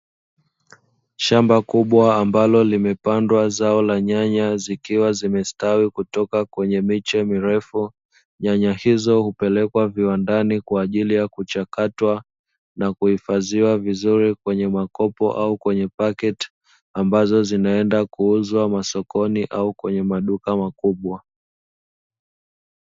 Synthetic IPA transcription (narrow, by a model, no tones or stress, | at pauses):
ʃambakuɓwaːmbalɔlimɛpandwazaɔlaɲaɲazikiwazimɛstawikutɔkakwɛɲɛmit͡ʃɛmiɾɛfu | ɲaɲahizɔhupɛlɛkwaviwandanikwaːʄilijakut͡ʃakatwa | nakuhifaziwavizuɾikwɛɲɛmakɔpɔ̰ʔaukwɛɲɛpakɛt | ambazɔzinaɛndakuuzwamasɔkɔniʔaukwɛɲɛmaɗukamakuɓwa